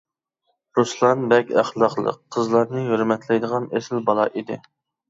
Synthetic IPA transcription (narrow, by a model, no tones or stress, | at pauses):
ɾuslˠɑnbɛkʲæχlˠɑχlˠə̰qʰːəzlˠɑɾnɨhøɾmɛt̪ʰlɛjd̪əʁɑnesɪlbɑlˠɑʔid̪ɪ̰